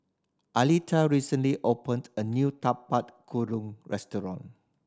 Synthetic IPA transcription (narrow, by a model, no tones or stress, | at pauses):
ʔalitʰaɹisə̃nliʔopə̃ndənjut̪apat̚kʰuɾũŋɹɛstɔɹɔ̰̃n